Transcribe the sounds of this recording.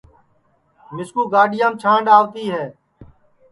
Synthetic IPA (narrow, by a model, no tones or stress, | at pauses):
mɪskuːɡaːɗɪjãːmt͡ʃʰãːɳɖaːʋt̪iːɦɛː